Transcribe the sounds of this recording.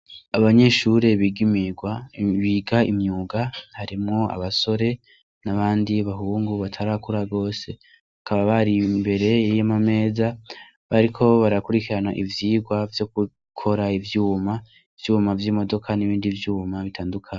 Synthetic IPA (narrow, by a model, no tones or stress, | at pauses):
aβaɲe̞ʃuɾe̞βiːɡimiɡwaβiɡaimɲuːɡahaɾimŋo̞a̰βaso̞ɾe̞ | naβaːndiβaɦuːŋɡuβatʰaɾakuɾaɡo̞ːse̞ | akaβaβaɾimbe̞ɾe̞jijomame̞ːza | βaɾikʰo̞βaɾakuɾikiɾanaʔivjiːɡwavjo̞ku | kʰo̞ɾaivjuːma | ivjuːmavjiːmo̞do̞kʰaniβiːndivjuːmaβitʰaːndukʰaːɲ